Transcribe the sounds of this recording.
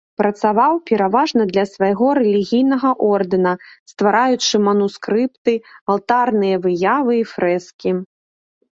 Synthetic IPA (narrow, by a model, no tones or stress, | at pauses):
pɾɐt̪savawpʲɛɾavaʐnɐd̪lʲɐsvajɣɔɾɛlʲiɣʲijnɐɣɐʔɔrd̪ɨnɐst̪vaɾajut͡ʂɨmɐnuskɾɨpt̪ɨalˠt̪arnɨjɐvɨjavɨifɾɛskʲi